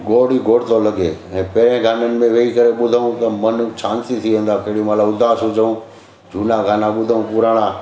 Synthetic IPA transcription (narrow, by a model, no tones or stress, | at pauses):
ɡoːɽiɡoːɽɪt̪olɐɡeːɛ̃ːpeːɾẽɡʱaːnənɪ̆mẽʋeikɐɾeɓʊd̪ʱəũt̪ɐmɐnt͡ɕʰaːnsit̪ʰiʋẽːn̆d̪apeɦɽijũmalaʊd̪ʱaːsʊd͡ʑʱəũː | d͡ʑʱuːnaɡʱaːnaɓʊd̪ʱəũpuɾaːɽ̃ãː